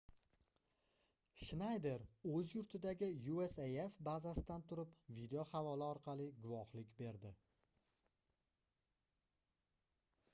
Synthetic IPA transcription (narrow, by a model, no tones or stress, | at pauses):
ʃnajd̪e̞ɾɵzjʊɾt̪ʰɪd̪aɡʲɪjuesejefbazasɪd̪ant̪ʰʊɾɪpvid̪eohavɒlɪɒɾqʰɑlɪɡʊvɒhlɪkʲbe̞ɾd̪ɪ